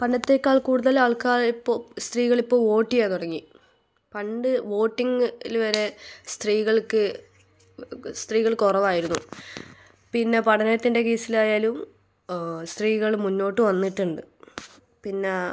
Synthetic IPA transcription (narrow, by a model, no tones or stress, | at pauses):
pɐɳɖɐt̪ːe̞ːkːaːɭkuːɽuðɐlaːɭkaːɭipːoːst̪riːɣɐɭipːo̞ːʋo̞ːʈːijaːnuɽɐŋːi | pɐɳɖɨʋo̞ːʈːiŋilʋɐɾe̞st̪riːɣɐɭkɨ | st̪riːɣɐɭkorɐʋaːjiɾunːu | pinːe̞pɐɽɐneɐt̪ːinde̞ke̞ːsilaːjaːlum | st̪riːɣɐɭmunːo̞ːʈːɨʋɐnːiʈːuɳɖɨ | pinːe